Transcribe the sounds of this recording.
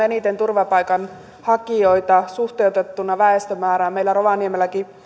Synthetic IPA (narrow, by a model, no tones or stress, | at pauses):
enit̪ent̪urʋɑpɑjkɑn | hɑkiojt̪ɑsuht̪ewt̪et̪ːunːɑʋæest̪ømæːɾæːmmejlæroʋɑniemelːæki